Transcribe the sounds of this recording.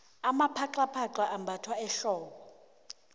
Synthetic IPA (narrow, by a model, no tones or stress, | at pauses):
amapʰaǃapʰaǃaʔambʱatʰwaɛɬɔːkɔ